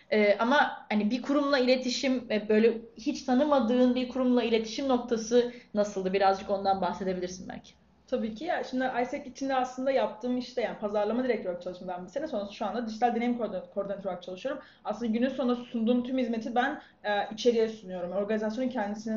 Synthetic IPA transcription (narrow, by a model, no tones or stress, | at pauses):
ɛːʔamahanibiɾkʰuɾumlˠailʲe̞t̪ʰiʃimvɛbø̞jlʲɛhit͡ʃt̪ʰanɯmad̪ɯːnbiɾkʰuɾumlˠailʲe̞t̪ʰi̥ʃimno̞k̚t̪ʰasɯnasɯlˠd̪ɯbiɾazd͡ʒɯko̞nd̪anbaxse̞d̪e̞bilʲiɾsinbæ̰lʲcʰi̥ | t̪ʰabiːcʰijaʃimd̪iʔajsɛkit͡ʃʰind̪ɛaslˠɯnd̪ajap̚t̪ʰɯːmiʃt̪ʰɛjaːni̥pʰazaɾlˠamad̪iɾɛc̚lʲjoɾk̚t͡ʃʰalˠɯʃmad̪anbilsenɛso̞nɾasɯ̥ʃuand̪ad̪iʒd͡ʒit̪alʲd̪enemikkʰoɾd̪ɛnt̪ʰɾoak̚t͡ʃʰalˠɯʃɯjoɾum | aslɯnd̪aɟynynso̞nɾassund̪uːmt̪ʰymhizme̞t̪ʰibæn | ɛit͡ʃʰe̞ɾijɛsunyjo̞ɾumo̞ɾɡanizas̬jonuncʰɛnd̪isinɛ